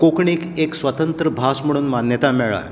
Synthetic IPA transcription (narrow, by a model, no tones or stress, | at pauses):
kokɳikeksʋət̪ənt̪ɾəbʱasm̤əɽ̃uːnmanjət̪amɛɭa̰j